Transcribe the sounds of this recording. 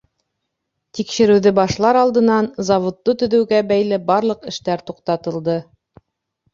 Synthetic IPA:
t̪ikʃɘ̆ɾɘ̆wðɘbɑʃlˠɑɾɑlˠd̪ɤ̆nɑnzɑvŏt̪ːot̪ɵ̆ðʉ̆wɡæbæjlɘbɑɾlˠɤ̆qɘ̆ʃt̪æɾt̪uqt̪ɑt̪ɤ̆lˠd̪ɤ

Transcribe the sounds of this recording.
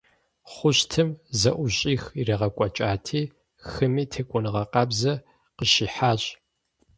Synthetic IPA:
χʷʊɕtʰɨmzɐʔʷʊɕʼiːxirɐʁɐkʷʼɔt͡ʃʼaːtʰiː | xɨmiːtʰekʷʼʊnɨʁɐqɐbzɐ | qəʃiːħaːɕʼ

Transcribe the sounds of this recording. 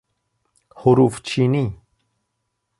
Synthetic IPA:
hoɾuft͡ʃʰini

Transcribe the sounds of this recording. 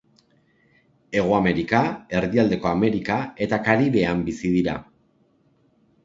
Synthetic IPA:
e̞ɣ̞oame̞ɾikae̞ɾðiald̪e̞ko̞ame̞ɾikae̞t̪akaɾiβe̞ambisiðiɾa

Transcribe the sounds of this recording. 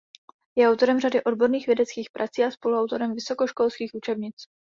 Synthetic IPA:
jɛawt̪o̞ɾɛmradɪʔo̞dbo̞ɾniːxvjɛdɛt͡skiːxpɾʔat͡siːaspo̞luawt̪o̞ɾɛmvɪso̞ko̞ʃko̞lskiːxʔut͡ʃɛbɲɪt͡s

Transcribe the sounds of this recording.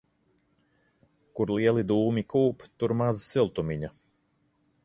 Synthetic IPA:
kuɾlˠiɛlˠid̪uːmikuːpt̪uɾmazsilˠt̪umiɲa

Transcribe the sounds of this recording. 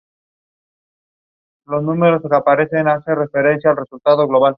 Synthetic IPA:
lo̞znume̞ɾo̞skapaɾe̞θe̞nasere̞fe̞ɾe̞nθjaːlre̞sult̪aðo̞ɣlo̞β̞al

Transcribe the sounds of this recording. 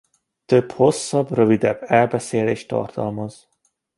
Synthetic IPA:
t̪øbho̞sːɒbrøvid̪ɛbːɛlbɛseːleːʃt̪ɒ̰rt̪ɒlmɒz̥

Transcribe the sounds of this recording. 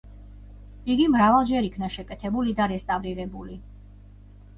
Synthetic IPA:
iɡimɾavalˠd͡ʒɛɾikʰnaʃɛkʼɛt̪ʰɛbulid̪aɾɛst̪ʼavɾiɾɛbuli

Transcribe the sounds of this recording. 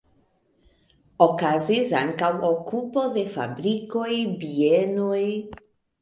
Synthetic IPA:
okazizaŋkawokupoðefa̰βɾikojbienoj

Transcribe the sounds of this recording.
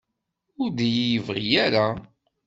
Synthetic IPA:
ʊɾd̪ijijəvʁijæɾa

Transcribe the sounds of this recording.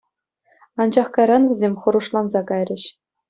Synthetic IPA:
ɑnd͡ʑɑχkɑjɾɑnʋʲɘ̆zʲemʲχɤ̆ɾuʂlˠɑnzɑkɑjrʲɘ̆ɕ

